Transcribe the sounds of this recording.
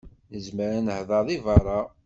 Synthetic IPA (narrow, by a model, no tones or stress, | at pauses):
nəzməɾænəhðˤɑðˤivɑɾˤɑ